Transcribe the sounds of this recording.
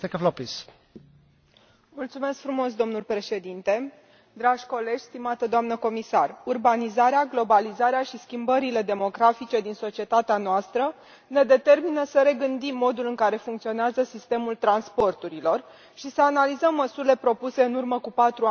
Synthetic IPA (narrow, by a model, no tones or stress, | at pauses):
t̪ekeflopis | mult̪sume̞skfɾumo̞s̬d̪o̞mnulʲpɾe̞ʃe̞d̪int̪e̞ | d̪ɾaʒʲko̞le̞d͡ʒʲst̪imat̪əd̪oamnəko̞misarurbanizaɾeaɡlo̞balizaɾeaʃiskʲimbəɾile̞d̪e̞mo̞ɡɾafit͡ʃe̞d̪inso̞t͡ʃie̞t̪at̪eanoast̪ɾə | ne̞d̪e̞t̪e̞rminəsəɾe̞ɡɨnd̪imːo̞d̪ulɨŋkaɾe̞fuŋkt̪sioneazəsist̪e̞mult̪ɾanspo̞rt̪uɾilo̞r | ʃisəanalizəmːəsuɾile̞pɾo̞puse̞ɨnurməkupat̪ɾua